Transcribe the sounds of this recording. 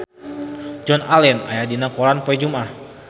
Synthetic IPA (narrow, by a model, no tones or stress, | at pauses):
d͡ʒɔnalɛna̰jadinakɔɾanpɔɛd͡ʒumah